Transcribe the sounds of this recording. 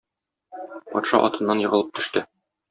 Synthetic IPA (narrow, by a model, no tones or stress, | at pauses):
pɒt̪ʃɑʔɒt̪ɤ̆nːɑnjɤ̆ʁɤ̆lˠɤp̚t̪ʰɵ̆ʃt̪ɘ